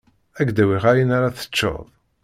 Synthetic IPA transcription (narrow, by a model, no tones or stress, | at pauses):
æɡd̪æwiʁajinaɾaθə̥t͡ʃːo̰ðˤ